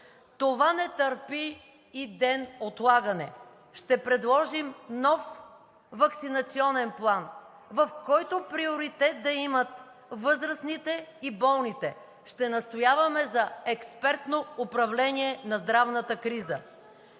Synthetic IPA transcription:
t̪ovanɛt̪əɾpiː | d̪ɛnot̪lˠaɡənɛ̰ | ʃt̪ɛpɾɛd̪lˠɔʒimnɔf | vɐksinɐt̪siɔnɛnplˠan | vɐfkɔjt̪opɾioɾit̪ɛt̪̚d̪ɐimət̪ | vɤzɾəsnit̪ɛibɔlˠnit̪ɛ | ʃt̪ɛnɐst̪ojavɐmɛzɐɛkspɛɾt̪noʊpɾɐvlɛniɛnɐzd̪ɾavnət̪əkɾizə

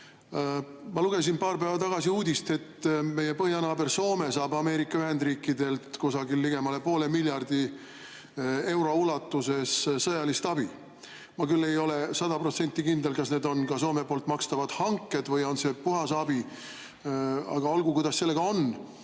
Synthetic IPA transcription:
mɑluɡ̥e̞s̬inpɑːrpevɑt̪ɑɡ̥ɑsiuːd̪ist̪e̞t̪ːme̞je̞pɤhjɑnɑːberso̞ːme̞sɑːbɑme̞ːɾikˑːɑyɦe̞nd̪riːkːid̪e̞lt̪kusɑɡilːiɡ̥e̞mɑle̞po̞ːle̞milʲjɑrd̪̥i | e̞wɾo̞ulɑt̪ːuse̞ssɤjɑlist̪ɑb̥i | mɑkylːe̞jo̞le̞sɑd̪ɑpro̞t̪se̞nʲt̪ːˑikind̪e̞lkɑsne̞ːd̪o̞nkɑso̞ːme̞po̞ːlt̪mɑkst̪ɑvɑd̪̥hɑŋkːˑe̞d̪̥vɤjo̞nse̞puɦɑsɑbi | ɑ̰ɡ̥ɑolɡukujd̪ɑsːe̞lːe̞ɡ̥ɑo̞n

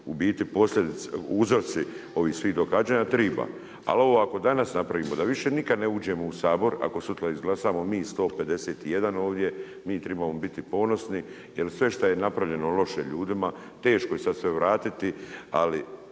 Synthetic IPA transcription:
ubiːt̪ipo̞slʲʎʲed̪it̪sṵuzoɾt̪sio̞ʋiːhsʋiːd̪o̞ɡad͡ʒaːɲat̪ɾiːba̰ | a̰lo̞ʋoako̞d̪anasnapɾaʋiːmo̞d̪aʋiʃe̞nikad̪neuːd͡ʑe̞mousaːbo̞ɾa̰ko̞sut̪laizɡlˠasaːmo̞miːst̪o̞ːpe̞d̪e̞seːt̪ije̞d̪ano̞ːʋd̪je̞ | miːt̪ɾebamobit̪ipo̞no̞sni | jelsʋe̞ʃt̪aje̞napɾaʋʎe̞nolo̞ʃeʎuːd̪ima | t̪e̞ːʃkoje̞sad̪sʋe̞ʋɾaːt̪it̪ia̰li

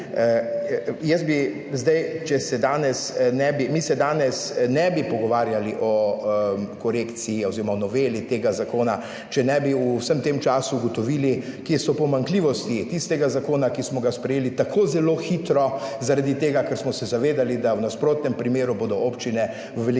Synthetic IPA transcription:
jɛst̪̚bi | zd̪ajt͡ʃɛsɛd̪aːnɛsnɛbimisɛd̪aːnɛsnɛbipɔɡɔʋaːɾjaliʔɔ | kɔɾeːkt̪sijiɔziɾɔmanɔʋeːlit̪eːɡazakoːna | t͡ʃɛnɛbiusəmt̪emt͡ʃaːsuːɡɔt̪ɔʋiːli | kesɔpɔmaŋkliːʋɔst̪it̪ist̪ɛɡazakoːnakismɔɡaspɾɛjeːlit̪akʰoːzɛloːxit̪ɾɔzaɾad̪it̪eːɡakɛɾsmɔsɛzaʋeːd̪alid̪awnaspɾoːt̪nɛmpɾimeːɾubod̪ɔʔoːpt͡ʃinɛ | ʋɛl

